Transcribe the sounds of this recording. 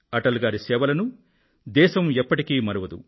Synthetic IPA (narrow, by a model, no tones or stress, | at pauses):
ɐʈɐlɡaːɾisɛːʋɐlɐnu | d̪ɛːʃɐmepːɐʈikiːmɐɾɐʋɐd̪ṵ